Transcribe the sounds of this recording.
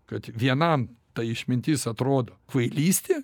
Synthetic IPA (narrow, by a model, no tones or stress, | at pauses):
kɐt̪ʋʲiɛnɐmt̪ɐɪʃʲmʲɪnʲt̪ʲɪsɐt̪ɾoːd̪okʋɐɪlʲiːsʲt̪ʲeː